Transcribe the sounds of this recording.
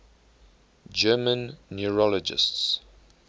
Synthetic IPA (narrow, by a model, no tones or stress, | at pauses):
d͡ʒɜːmə̃nːuɹɔlɔd͡ʒɪ̰sts